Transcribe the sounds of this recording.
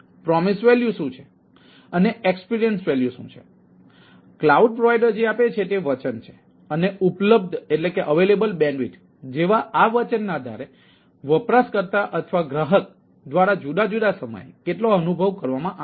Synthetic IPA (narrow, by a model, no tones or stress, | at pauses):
pɾɔmisʋɛljusũt͡ʃʰe̥ | əneekspiɾijənsʋɛljusṵ̃t͡ʃʰe̥̰ | klauɖ̚pɾoʋajɖəɾd͡ʒeapet͡ʃʰet̪eʋət͡ʃənt͡ʃʰe̥ | əneʔupləb̚d̪ʱeʈlekeʔəʋelebəlbɛ̃ɳɖʋiʈ | d͡ʒeʋaʔaʋət͡ʃənːaəd̪ʱa̰ɾe | ʋəpɾaskəɾt̪aʔət̪ʰʋaɡɾaɦək̚ | d̪ʋaɾad͡ʒud̪ad͡ʒud̪asəmə̰jkeʈloənubʱəʋkəɾʋamãʔa